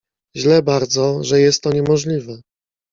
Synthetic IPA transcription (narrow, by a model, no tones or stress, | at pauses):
ʑlɛbaɾd̪zɔʐɛjɛst̪ːɔɲɛmɔʐlʲivɛ